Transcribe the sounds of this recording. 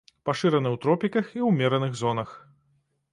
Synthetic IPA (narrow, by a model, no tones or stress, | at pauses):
paʂɨɾɐnɨwt̪ɾɔpʲikɐxiwmʲɛɾɐnɨɣzɔnɐx